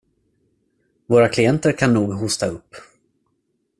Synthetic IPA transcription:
voːɾakʰlɪɛnt̪əɾkʰanːuːɡɦʊst̪aɵpː

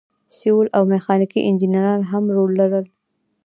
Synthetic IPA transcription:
siwulʔawmɪxɑnikḭʔɪnd͡ʒinaɾɑnɦamɾolːaɾəl

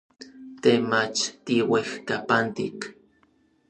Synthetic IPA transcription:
t̪emat͡ʃt̪iwehkapant̪ḭk

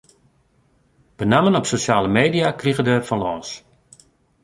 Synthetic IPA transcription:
b̥ənamənɔpsosaːləmeːdijakriɣədɛːrfɔnlɔːns

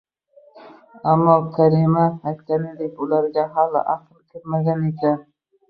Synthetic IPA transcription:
amːɒkʲʰaɾimahaklʲanɪd̪ekʊlaɾɡʲaɦalɪ̰ʔaqɨlˠkʲʰɪɾmaɡʲanekʲʰan

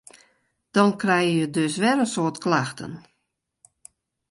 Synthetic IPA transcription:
d̥ɔnkrɛjəjədøsʋɛɾənsoːtklaxtʰə̰n

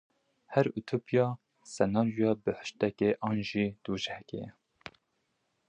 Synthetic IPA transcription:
hɛɾut̪ʰupijɑː | sɛnɑːɾujɑːbɨħə̥ʃt̪ɛkeʔɑːnʒiːd̪̥uːʒɛhɛkḛɛ

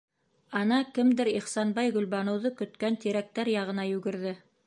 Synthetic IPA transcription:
ɑnɑkɘmd̪ɘɾiχsɑnbɑjɡɵ̆lbɑnŏwðɤkɵ̆t̪kænt̪iɾæk̚t̪æɾjɑʁɤ̆nɑjʉɡɘ̆ɾðɘ

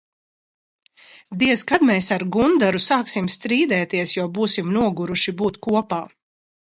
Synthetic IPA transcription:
d̪iɛzɡad̪mɛːsaɾɡund̪aɾusaːksimst̪ɾiːd̪ɛːt̪iɛsjɔbuːsimnuɔɡuɾuʃibuːt̪kuɔpaː

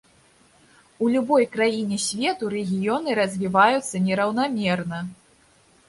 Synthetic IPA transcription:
ulʲubɔjkɾajinʲɛsʲvʲɛt̪uɾɛɣʲijɔnɨɾɐzʲvʲivajut̪sːɐnʲɛɾɐwn̪amʲɛrnɐ

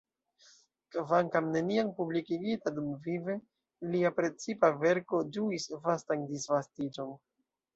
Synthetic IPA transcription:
kvaŋkamne̞niampublikiɡitadumvive̞ | liapɾe̞t͡sipave̞ɾko̞d͡ʒuisvastandisvastid͡ʒo̞n

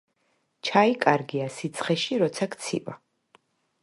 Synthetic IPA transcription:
t͡ʃʰaikʼaɾɡiasit̪sʰχɛʃiɾɔt̪sʰakt̪sʰḭva̰

